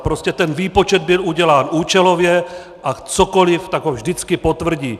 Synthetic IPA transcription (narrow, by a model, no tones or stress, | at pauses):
pɾoscʲɛt̪ɛnviːpo̞t͡ʃɛd̪̚bɪluɟɛlaːnʔuːt͡ʃɛlo̞vjɛ | ʔat͡soko̞lɪft̪aɡɦovʒdɪt͡skɪpot̪vr̩ɟiː